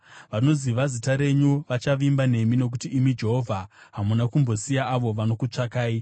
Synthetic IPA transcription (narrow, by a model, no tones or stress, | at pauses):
ʋano̞ziʋazitaɾe̞ɲuʋat͡ʃaʋimbane̞mino̞k̬utiːmid͡ʒe̞ɦo̞vʱaɦamunakumbosijaʔːʋo̞ʋano̞kut͡ʂakaːi